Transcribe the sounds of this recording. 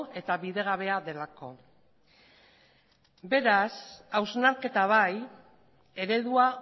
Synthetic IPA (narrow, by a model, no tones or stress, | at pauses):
e̞t̪aβiðe̞ɣ̞aβe̞aðe̞lako̞̰ | be̞ɾasawznaɾke̞t̪aβ̞aj | e̞ɾe̞ð̞ua